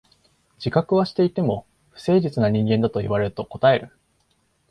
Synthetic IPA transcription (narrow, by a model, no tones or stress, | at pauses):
d͡ʑikakɯ̟βaɕi̥t̪e̞it̪e̞mo̞ | ɸɯ̟̥se̞ːʑit͡sɨnaɲ̟ĩŋɡẽ̞nd̪at̪o̞iβ̞aɾe̞ɾɯ̟t̪o̞ko̞t̪ae̞ɾɯ̟